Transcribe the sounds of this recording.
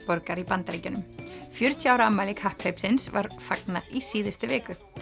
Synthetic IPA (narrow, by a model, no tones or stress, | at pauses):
pɔɾkaɾipant̪aɾiːcʏnʏmfjʏɾ̥t̪ʰjaːwɾamaːlɪkhahphejpsɪnsva̰ɾ̥faknaðisiːðɪst̪ɪvɪːkʏ